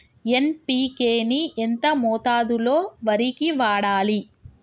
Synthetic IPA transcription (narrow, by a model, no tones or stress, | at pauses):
e̞npiːkeːnient̪ɐmɔːt̪aːd̪uloːʋɐɾikiʋaːɽaːli